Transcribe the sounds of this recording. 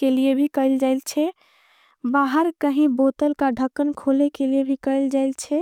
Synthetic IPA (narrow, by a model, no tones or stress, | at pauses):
keliebʱikəld͡ʒaɪlt͡ʃʰɛ | baɦəɾkəɦĩbot̪əlkaɖʱəkːənkʰolekeliebʱikəɪld͡ʒajlt͡ʃʰɛ